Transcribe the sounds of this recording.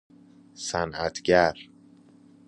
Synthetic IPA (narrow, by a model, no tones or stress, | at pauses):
sænæt̪ʰɟæɾ